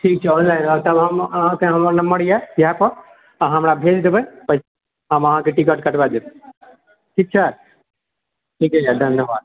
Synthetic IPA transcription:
ʈʰiːk̚t͡ʃʰɛɔnlaɪnɔɾt̪əbɦəmɦãkeɦəməɾnɐmbəɽijajəɦãpəɾ | ɦəmɾabʱed͡ʒd̪ebəpəɦse | ɦəməɦãkeʈik̬əʈkəʈbad̪eb | ʈʰiːk̚t͡ʃʰa | ʈʰiːkɛt͡ʃʰad̪ʱənjəbaːd̪̚

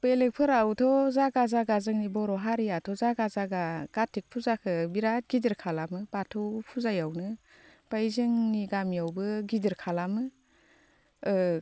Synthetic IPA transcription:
pelek̚pʰɯɾawtʰɔzaɡazaɡazɯŋnibɔɾɔɦaɾijatʰɔzaɡazaɡaɡ̥atʰik̚pʰuzakʰɯbiɾat̚ɡidiɾkʰalamɯbatʰɯwpʰuzajawnɯ | b̥ajzɯŋniɡamijawbɯɡidiɾkʰalamɯ

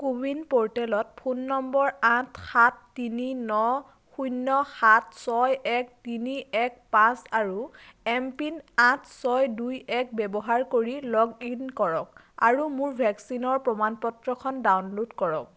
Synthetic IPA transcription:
kubinpɔɹtɛlɔt̚pʰunːɔmbɔɹãtʰxatːininɔ | xujnːɔxatʰsɔjɛk̚tiniɛk̚pãsaɹuɛmpinãtʰsɔjdujɛk̚bɛbɔɦaɹkoɹilɔɡinkɔɹɔk̚ | a̰ɹumuɹbʱɛksinɔɹpɹɔmanpɔtɹɔkʰɔndawnlodkɔɹɔk̚

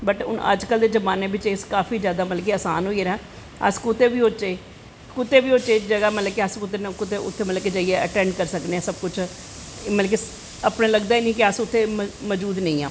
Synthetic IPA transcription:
bəʈʊ̰nə̰d͡ʒkəld̪eːd͡ʒəbaːneːbɪt͡ʃeːskaːfʰiːd͡ʒjaːd̪aːmət̪lək̬eaːsaːnɦoːiəɾɛː | ə̰skʊt̪eːbiːoːt͡ʃeː | kʊt̪eːʋiːoːt͡ʃeːd͡ʒəɡaːmət̪ləkeəskʊt̪̬ːenkʊt̪ʰːeʔʊ̰t̪ʰːeːmət̪lək̬ed͡ʒaːieəʈɛ̃ːɳɖkəɾsəkneːãːsəb̚kʊt͡ʃʰ | mələk̬i | əpɽẽːləɡd̪aːiːnĩːkɪəsʊt̪ʰːeːməd͡ʒuːd̪nəĩːã̰ː

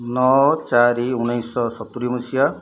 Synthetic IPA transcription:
nɔt͡ʃaɾiunajsɔsɔt̪uɾimusija

